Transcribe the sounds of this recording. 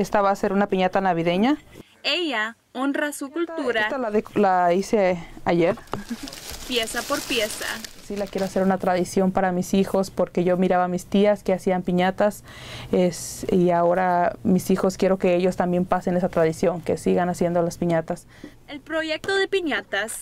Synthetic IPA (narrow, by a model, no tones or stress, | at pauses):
est̪aβaːse̞ɾunapiɲat̪anaβiðe̞ɲa | eʝa | onrasukult̪uɾat̪alaðelaiseaʝeɾ | pjesapoɾpjesa̰silakje̞ɾoase̞ɾunat̪ɾaðisjo̞mpaɾamisixo̞spo̞ɾke̞ʝo̞miɾaβamist̪iaske̞asiampiɲat̪as | esiao̞ɾamisixo̞skje̞ɾo̞ke̞eʝo̞st̪ambje̞mpase̞ne̞sat̪ɾaðisjo̞ŋke̞siɣanasjend̪o̞laspiɲat̪as | elpɾoʝek̚t̪oðepiɲat̪as